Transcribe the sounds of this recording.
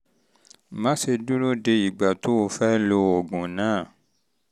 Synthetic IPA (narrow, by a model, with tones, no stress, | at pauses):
mã˦se˧du˦ɾo˦de˧i˨ɡ͡ba˨to˦o˧fɛ˦lo˧o˨ɡũ˨nãː˨˦˨